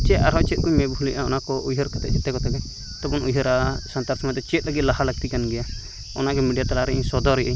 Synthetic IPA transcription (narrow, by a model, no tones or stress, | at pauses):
t͡ʃɛt̪aɾɦɔt͡ʃɛt̪̚kujmɛbʱuliʔaɔnakɔʔujɦɔɾkɛt̪ɛ̰ʔt͡ʃit̪ɛkɔt̪aɡɛ | t̪ɔpunujɦɔɾasant̪aɾsmat̪ɛt͡ʃɛt̪̚ləɡit̪̚laɦaləɡ̚t̪ikanɡɛja | ɔ̰naɡɛmiɖijat̪alaɾɛsɔd̪ɔɾijʔəj